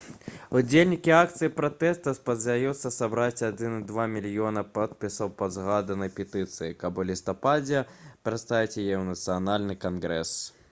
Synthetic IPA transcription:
ud͡zʲelʲnʲikʲiak̚t̪sɨjipɾat̪ɛst̪ɐspɐd̪zʲd̪ajut̪sːɐsabɾat͡sʲad͡z̪ʲinɨd̪vamʲilʲjɔnɐpɔt̪̚pʲisɐwpɐd̪zɣad̪ɨnɐpʲɛt̪ɨt̪sɨjikabulʲist̪ɐpad͡zʲɛpɾɐt̪st̪ajʲit͡sʲjajɛwnɐt̪sɨanalʲnɨkanɣɾɛ̰s

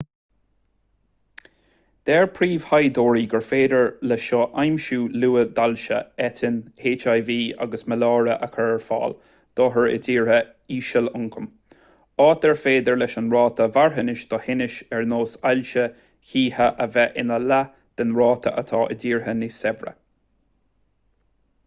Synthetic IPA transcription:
d̪̥ɛːɹpʰɾiːv̥hajd̪oːɹiːɡəɹfeːd̪əɹlɛʃɔʔajmʃuːluːəd̪alʃə̰ɛt̪ʰɪnheːt͡ʃajviːa̰ɡəsməlɑːɹəʔəkʰəɹɛɹfɑ̰ːl | d̪̥ɔːɦəɹə̰diːɹhə | iːʃəlʊŋkʰəm | ɑːt̪̚dɛɹfeːd̪əɹlɛʃənɹɑːt̪ʰəvaɹɦənɪʃd̪̥ɔhɪnɪʃɛɹnoːsalʃə | çiːhəʔəvɛʔɪnəla | d̪̥ɛnɹɑːt̪ʰə̰ʔət̪ʰɑːʔə̰diːɹɦənɪsɛbɹə̰

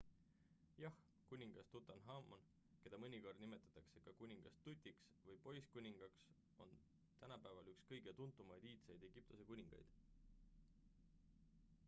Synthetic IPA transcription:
jɑh | kunʲiŋɡ̥ɑst̪ut̪ːˑɑnɦɑmʔon | ke̞d̪ɑmɤnʲiko̞rd̪̥nime̞t̪ːˑɑ̥t̪ːˑɑkse̞kɑkunʲiŋɡ̥ɑst̪ːut̪ʲˑːiks | vɤjpo̞jskunʲiŋɡ̥ɑks | o̞̰n | t̪ænɑpæevɑlykskɤjɡ̥et̪unt̪ˑːumɑjd̪iːt̪sejd̪̥e̞ɡ̥ip̚t̪use̞kunʲiŋɡ̥ɑ̰jd̪̥

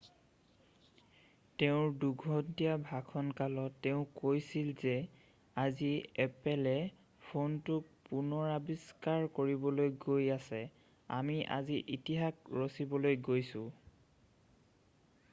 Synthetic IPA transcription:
teʊ̃duɡʱɔntijabʱakʰɔnkalɔtːeʊ̃kojsilzɛ | aziɛpɛlɛ | pʰontʊk̚punɔɹabiskaɹkoɹibɔlojɡojasɛ | a̰miʔa̰ziʔitiɦakɹosibɔlojɡojsʊ̃

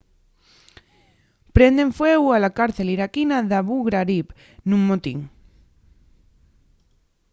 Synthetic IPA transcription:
pɾe̞nd̪eɱfweɣwalakaɾθe̞liɾakinaðaβuɣɾaɾip | nũŋmot̪ḭŋ

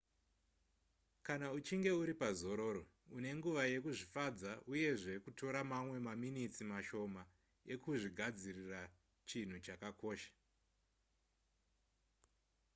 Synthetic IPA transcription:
kanaut͡ʃiŋɡe̞uɾipazo̞ɾo̞ːɾo̞ | une̞ŋɡuʋaje̞kuʐifad͡zauje̞ʐe̞kutʰo̞ɾamamwe̞maminit͡simaʃo̞ma | e̞kuʐiɡʱad͡zirira | t͡ʃin̤ut͡ʃakako̞ːʃḁ

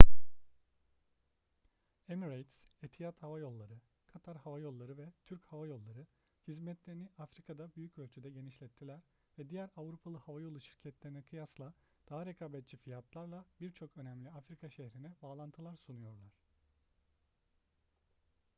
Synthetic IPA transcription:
emiɾejt̪set̪ʰijat̪havajo̞lˠːaɾɯ | kʰat̪ʰaɾhavajo̞lˠːaɾɯvɛt̪ʰyɾchavajo̞lˠːaɾɯ | hizmɛt̪lʲe̞ɾiniafɾikʰad̪abyjycø̞lʲt͡ʃʰyd̪ɛɟe̞niʃlʲɛt̪ʰːilʲæɾ̥ | vɛd̪ijæɾavɾupʰalˠɯhavajo̞lˠuʃiɾcʰɛt̪lʲe̞ɾinɛkʰɯjaslˠa | d̪̥aɦaɾekʰaːbɛt̪̚t͡ʃʰifijat̪ʰlˠaɾlˠabiɾt͡ʃʰo̞kø̞næmlʲiafɾikʰaʃehɾinɛbaːlˠant̪ʰɯlˠaɾsunujo̞ɾlˠaɾ̥

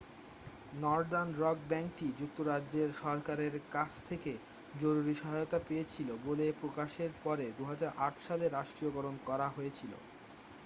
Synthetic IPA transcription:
nɔɾdanɾɔɡ̚bɛŋk̚ʈid͡ʑuk̚t̪oɾaːd͡ʑeɾʃɔɾkaɾeɾkat͡ɕʰt̪ʰeke | d͡ʑoɾuɾiʃɔɦajot̪apejet͡ɕʰilobolepɾokaʃeɾpɔɾed̪uɦad͡ʑaɾʔaʈʃaleɾaʃʈɾioɡɔɾonkɔɾaɦoet͡ɕʰilo̰

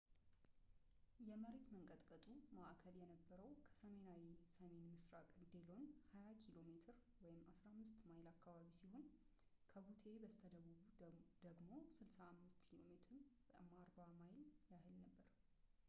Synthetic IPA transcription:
jɛməɾet̪məŋkʼət̪ʼkʼət̪ʼumaʔkʰəljɛnəbːəɾəwkʰə̥səme̞nawisəme̞nmɨsɾakʼɨnd̪elo̞nhajakʰilo̞met̪ʰɨɾ | wɔjɪmːasɾamːɨst̪majlakːaβaβisiho̞n | kʰəɡut̪ʰe̞bəst̪ʰəd̪əβuβud̪̥əɡmo̞sɨlsaːmːɨst̪kʰilo̞met̪ʰɾ | maɾbamajljahɨlnəbːəɾ

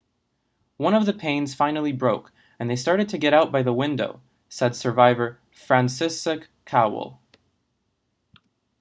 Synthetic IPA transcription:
wʌ̃ɾ̃nʌvðɨpʰẽɪ̃nz̥fãɪ̃nl̩ˠibɹoʊk | ɨ̃nðeɪstɑɹɾɨd̚tʰɨɡɛɾaʊt̚b̥aɪðəwɪ̃ndoʊ | sɛd̥sə˞vaɪvə˞ | fɹæ̃nsɪsɨkʰaʊ̰l̩ˠ

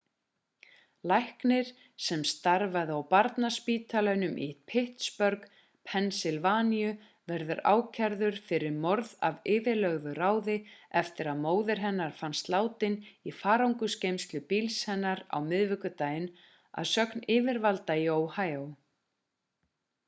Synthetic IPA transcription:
lajhknɪɾ̥ | sɛmst̪aɾvaðʏawpaɾt̪naspiːt̪ʰalanʏmʔḭt̪pʰɪht̪spœɾk | pʰɛnsɪlvaːnijʏ | vɛɾðʏɾa̰ːwcʰɛɾðʏɾ̥fɪɾɪɾmɔɾða̰vɪːvɪlœɣvʏraːwðɪɛft̪ɪɾaðmoːwðɪɾ̥ɦɛnːaɾ̥fanst̪laːwt̪ɪnifaːɾawŋkʏscejmst̪lʏpilshɛnːaɾa̰wmɪðvɪkʏt̪aːjɪn | a̰ðsœknɪːvɪɾvalt̪aioːwhaːjow

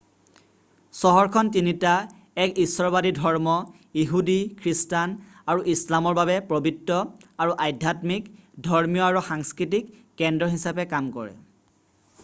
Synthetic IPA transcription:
sɔɦɔɹkʰɔntinita | ɛkisːɔɹbadidʱɔɹmɔ | iɦudikʰɹistanaɹuʔislamɔɹbabɛpɹobitːɔaɹuʔajdʱjatmikdʱɔɹmijɔaɹuxaŋskɹitikː | ɛndɹɔɦisapɛkamkɔ̰ɹɛ̰

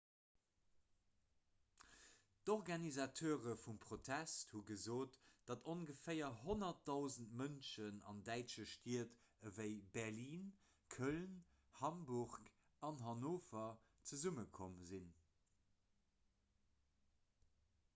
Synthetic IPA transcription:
d̥ɔʁɡɑnizɑtʰøːʁəfumpʁotʰæsthuɡəzoːtd̥ɑtʰonɡəfɛɪɐɦonɐt̚dɑʊzəntmənʃənɑ̰ndæɪʃəʃtiːɐtəvəɪbɛʁliːn | kʰœln | hɑmbuʁk | ɑnɦɑnoːfɐ | t͡səzuməkʰomzin

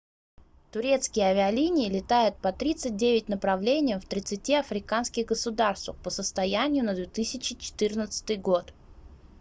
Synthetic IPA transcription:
t̪ʊɾʲe̞t̪skʲɪjəɐvʲɪɐlʲinʲɪɪlʲɪt̪ajʊt̪̚pɐt̪ɾʲit̪sɨt̚ʲdʲevʲɪtʲnəpɾɐvlʲenʲɪjəmft̪ɾʲɪt̪sɨtʲiɐfɾʲɪkanskʲɪɣɡəsʊd̪arst̪vəpəsəst̪ɐjænʲɪjʊnəd̪vʲet̪ɨsʲɪt͡ɕɪt͡ɕɪ̥t̪ɨrnət̪sɨ̥t̪ɨjɡo̞t̪

